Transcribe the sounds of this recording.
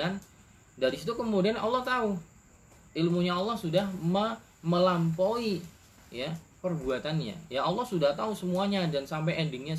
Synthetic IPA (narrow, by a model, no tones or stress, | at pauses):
an | daɾisit̪ukəmudianɑlːɔht̪au | ilmuɲaɑlːɔhsudahmə | məlampoi | japərbuat̪anɲa̰jaːlːɔhsudaht̪ausəmuaɲadansampajʔɛndɪŋɲa